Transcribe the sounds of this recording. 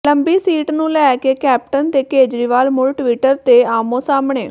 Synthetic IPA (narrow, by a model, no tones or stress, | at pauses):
ləmbiːsiːʈnũːlɛːkeːkɛːp̚ʈənt̪eːkeːd͡ʒɾiːʋaːlmʊlʈʋiːʈəɾt̪eːaːmõːsaːmɳeː